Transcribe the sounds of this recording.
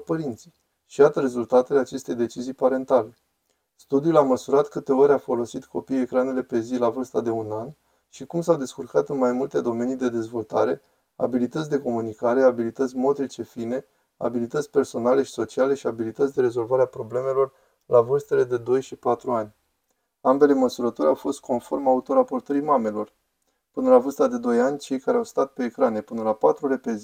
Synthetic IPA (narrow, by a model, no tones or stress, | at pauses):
pəɾint̪si̥j | ʃijat̪əɾe̞zult̪at̪e̞le̞at͡ʃe̞st̪e̞jd̪e̞t͡ʃizijpaɾe̞nt̪ale̞ | st̪ud̪iulaməsuɾat̪kɨt̪e̞o̞ɾʲafo̞lo̞sit̪kʰo̞pije̞kɾane̞le̞pe̞zilavɨrst̪ad̪e̞unan | ʃikumsawd̪e̞skurkat̪ɨnmajmult̪e̞d̪o̞me̞nijd̪e̞d̪e̞zvo̞lt̪aɾe̞ | a̰bilit̪ət̪sʲd̪e̞ko̞munikaɾe̞abilit̪ət̪sʲmo̞t̪ɾit͡ʃe̞fine̞ | a̰bilit̪ət̪sʲpe̞rso̞nale̞ʃi̥so̞t͡ʃiale̞ʃiabilit̪ət̪sʲd̪e̞ɾe̞zo̞lvaɾeapɾo̞ble̞me̞lo̞r | lavɨrst̪e̞le̞d̪e̞d̪o̞jʃipat̪ɾuanʲ | ambe̞le̞məsuɾət̪o̞ɾʲawfo̞st̪̚kʰo̞nfo̞rmaut̪o̞ɾapo̞rt̪əɾijmame̞lo̞r | pɨnəlavɨst̪ad̪e̞d̪o̞janʲt͡ʃe̞jkaɾeawst̪at̪̚pe̞ːkɾane̞pɨnəlapat̪ɾuɾe̞pe̞zi